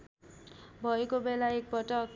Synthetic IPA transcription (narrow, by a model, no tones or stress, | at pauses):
bʱʌekobelaek̚pʌʈʌk